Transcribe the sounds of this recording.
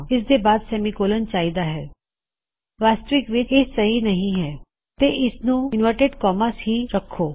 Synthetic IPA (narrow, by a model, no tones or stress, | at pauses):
ɪs̬d̪ebaːd̪sɛːmikoːlənt͡ʃaːid̪aɦɛː | ʋaːst̪əʋɪkʋɪɪsɐɦinɐɦĩɦɛː | t̪eʔɪsnũɪnʋəʈeɖkɔːməsɦiɾɐkʰːoː